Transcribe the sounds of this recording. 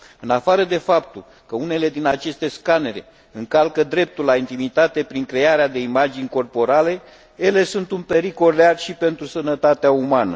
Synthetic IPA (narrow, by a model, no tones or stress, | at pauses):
ɨnafaɾəd̪e̞fap̚t̪ul | kəune̞le̞d̪inat͡ʃe̞st̪e̞skane̞ɾḛ | ɨŋkalkəd̪ɾe̞p̚t̪ulːaint̪imit̪at̪e̞pɾiŋkɾe̞aɾead̪e̞imad͡ʒinʲko̞rpo̞ɾale̞ | je̞le̞sunt̪unpe̞ɾiko̞llearʃipe̞nt̪ɾusənət̪at̪eaumanə̰